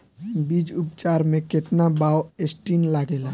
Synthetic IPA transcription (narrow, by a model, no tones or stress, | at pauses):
bid͡ʒupt͡ʃaɾmẽket̪nabaoesʈinlaɡela